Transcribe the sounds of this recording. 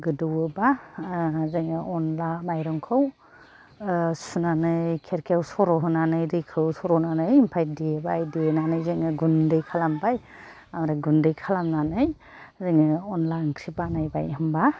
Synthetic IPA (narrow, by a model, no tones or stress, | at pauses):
ɡɯdɯwɯba | zɯŋɯʔɔnlamajɾɔŋkʰɯw | sunanɯjkʰeɾkʰawsɔɾɔɦɯnanɯjɾɯjkʰɯwsɔɾɔnanɯjmpʰajdiebajdinanɯjzɯŋɯɡundɯjkʰalambaj | amɾaɡundɯjkʰalamnanɯj | zɯŋɯɔnlaŋkʰɾibanajbajɯmba